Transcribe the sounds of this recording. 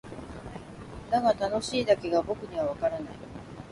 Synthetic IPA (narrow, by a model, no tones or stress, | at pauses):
d̪aɡat̪ano̞ɕiːd̪ake̞ɡabo̞kɯ̟ɲ̟iβ̞aβakaɾanai